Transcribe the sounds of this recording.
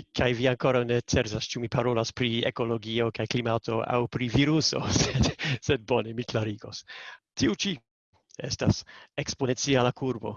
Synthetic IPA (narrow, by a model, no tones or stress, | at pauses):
kʰajviaŋko̞ɾawne̞t͡seɾzast͡ʃumipaɾo̞laspɾiḛko̞lo̞ɡio̞kajklimatʰo̞a̰wpɾiviɾuso̞̰sed̥sed̚bonemiklaɾiɡo̞stʰiut͡ʃi | e̞stasekspo̞ne̞nt͡sialakʰuɾbo̞̰